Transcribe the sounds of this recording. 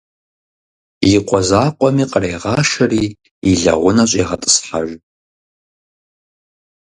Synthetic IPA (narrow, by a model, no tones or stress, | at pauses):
jiqʷʼɔzaːqʷʼɔmiːqʼərejʁɑːʃɐriː | iɮɐ̰ʁʷʊnɐɕʼeːʁɐtʼɨ̥sħaʒʷ